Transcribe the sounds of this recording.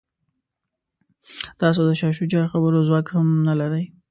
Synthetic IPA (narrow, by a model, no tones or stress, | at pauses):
t̪ɑs̬od̪əʃɑʃud͡ʒɑɾxabəɾozwɑkhamnalaɾəj